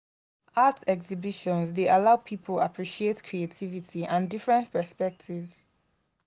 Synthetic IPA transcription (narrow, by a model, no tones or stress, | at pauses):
atɛksibiʃɔ̃nsdeʔalaʊpʰipʰəlapʰɹiʃietkʰɹietʰivitʰiʔãndifɹɛ̃ntpʰəspɛk̚tʰivz̥